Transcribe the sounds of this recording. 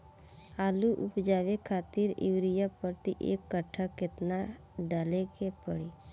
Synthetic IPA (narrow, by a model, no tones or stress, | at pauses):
aːluʔʊpd͡ʒawekʰaːt̪iɾḭwɾijapəɾt̪iʔḛkːəʈʰakːɪt̪na | ɖaːlekepəɽi